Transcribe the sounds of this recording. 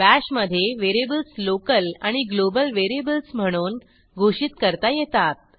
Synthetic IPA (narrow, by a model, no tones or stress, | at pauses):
bæɕməd̪ʱːjeʋeɾebəlslokəlaɽ̃iɡlobəlʋeɾebəlsm̤əɽ̃uːn | ɡʱoɕiːt̪kəɾt̪ajet̪at̪̚